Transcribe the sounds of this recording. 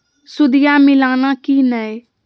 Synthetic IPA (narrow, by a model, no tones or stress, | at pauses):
sʊd̪ɪjaːmɪlaːnãːkiːnɛe